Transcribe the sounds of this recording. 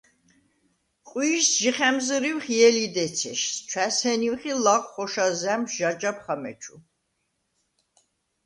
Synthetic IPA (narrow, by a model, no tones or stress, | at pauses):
qʼwiːsʒiχɛmzɾiwχjɛlid̪ɛt͡sʰɛ̰ʃt͡ʃʰwæshɛniwχilaqʷʼχɔʃazɛmsʒad͡ʒap̚ʰχamɛ̰t͡ʃʰu